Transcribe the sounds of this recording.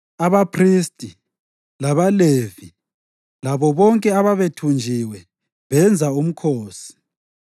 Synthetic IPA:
aβapʰristʼi | laβalevi | laβɔβɔŋkʼɛaβaβetʰund͡ʒʱiwɛ | βɛnd͡zʱaum̩kʰoːsi̥

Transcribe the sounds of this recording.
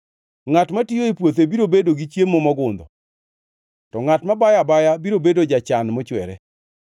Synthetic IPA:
ŋatmatijoipwot̪̬ebiɾobedoɡit͡ʃjemːɔmɔɡʊnd̪ɔ | tɔŋatmabajabajabiɾobedod͡ʒat͡ʃanmɔt͡ʃwɛɾɛ̰

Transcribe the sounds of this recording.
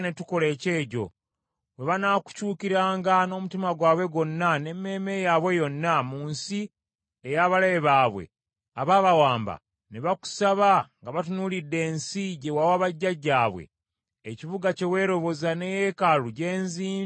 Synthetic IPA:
ne̞tuko̞le̞ːce̞ːɟo̞̰ | we̞βanaːku̥cuːkiɾaːŋɡano̞ːmutimaɡwaːβwe̞ɡo̞nːane̞mːe̞ːme̞jaːβwe̞jo̞nːamuːnsi | ejaːβalajeβaːβwḛ | aβaːβawaːmba̰ | neβaku̥saβaŋɡaβat̬unulidːe̞ːnsiɟe̞wawaβaɟːaɟːaːβwḛː | ciβuɡace̞we̞ːɾo̞βo̞zane̞jekaluɟe̞ːnziː

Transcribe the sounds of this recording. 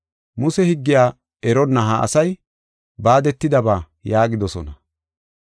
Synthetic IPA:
mʊsɛhɪɡːɪjaː | ɛɾɔnːɐɦaɐ̰sɐj | baːd̪ɛt̪ːɪd̪ɐbaː | jaːɡɪd̪ɔsɔnɐ

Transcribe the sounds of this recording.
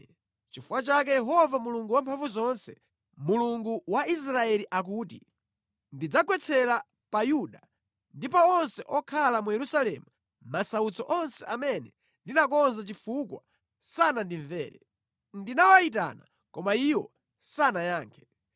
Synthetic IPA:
t͡ʃifuwat͡ʃak̬ɛjɛɦɔvamuluŋɡuwampʰaɱvuzɔnsɛ | muluŋɡuwais̬ɾaɛliʔak̬uːtḭ | ndid͡zakwɛt͡sʰɛɾa | pajuɗa | ndipɔɔnsɛʔɔkʰalamujɛɾusalɛmu | masaut͡sɔʔɔnsɛʔamɛnɛ | ndinak̬ɔnzat͡ʃifukwa̰ | sanandiɱvɛ̰ːɾɛ̰ | ndinawaita̰na | kɔmaiwɔ | sanajaːŋkʰɛ̥

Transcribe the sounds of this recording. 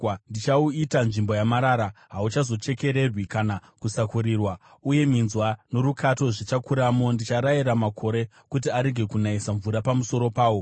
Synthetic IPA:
ndit͡ʃauitanʐimbo̞jamaɾaːɾaɦaut͡ʃazo̞t͡ʃe̞ke̞ɾe̞rwikanakusakuɾirwauje̞minzwano̞ɾukʰato̞ʐit͡ʃakuɾamo̞ndit͡ʃaɾaiɾamakʰo̞ɾe̞ | kut̬iaɾe̞ɡʱe̞kunaisaɱvuɾapamuso̞ɾo̞paːwo̞

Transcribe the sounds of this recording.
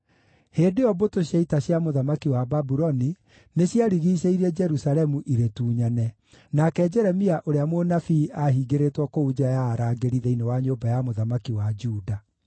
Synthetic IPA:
heːdeɔbotoɕjaitaɕjamoðamakiwababuɾɔni | neɕjaɾiɣiːɕeiɾɛd͡ʒɛɾusalɛmuʔiɾetuːɲanɛ | nakɛd͡ʒɛɾɛmiaʔoɾeamwonafiːʔaɦiɡeɾetwɔkoud͡ʒajaːɾaːɡeɾiðɛinewaɲoːbajamoðamakiwad͡ʒuːda

